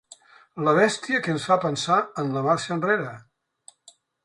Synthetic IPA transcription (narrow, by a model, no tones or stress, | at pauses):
ləβ̞ɛst̪iəkənsfapənsaənləmaɾʃənreɾə